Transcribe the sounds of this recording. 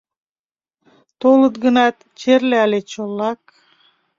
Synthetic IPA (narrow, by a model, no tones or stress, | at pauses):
t̪olˠɯt̪ɡɯnɑt̪ | t͡ʃʰeɾlealʲet͡ʃolˠːɑk̚